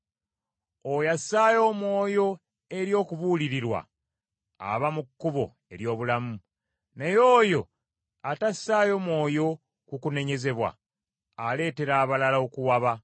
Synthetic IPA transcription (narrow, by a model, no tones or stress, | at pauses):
ojasːaːjo̞ːmwo̞ːjo̞ | e̞ɾjo̞ːkuβuliɾiɾwa̰ | a̰βamukːuβo̞̰ | e̞ɾjo̞ːβulamu | nejo̞ːjo̞ | atasːaːjo̞ːmwo̞ːjo̞ | kukune̞ɲe̞ze̞βwa̰ | ale̞ːte̞ɾaːβalalaokuwaβa